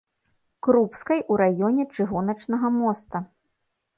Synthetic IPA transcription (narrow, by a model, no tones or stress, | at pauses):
kɾupskɐjʔuɾajɔnʲɛt͡ʂɨɣɔnɐt͡ʂnɐɣɐmɔst̪ɐ